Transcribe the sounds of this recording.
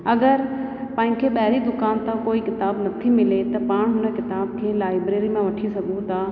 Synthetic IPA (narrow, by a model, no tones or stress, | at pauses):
ɐɡəɾ | pɐ̃ːɦɪ̃kʰeːɓɐɦɪɾid̪ʊkaːnt̪ãkoːikɪt̪aːbnɐt̪ʰimɪlet̪ɐpaːɽ̃ɦʊnə̆kɪt̪aːb̚kʰeːlaːɪbɾeːɾimãʋɐʈʰisɐɡʱũt̪ʰaː